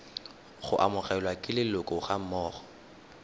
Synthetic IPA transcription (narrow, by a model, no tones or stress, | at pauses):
χʊ̰ʔa̰mʊχɛlwakʼɪlɪlʊkʼɔχam̩mɔːχɔ̥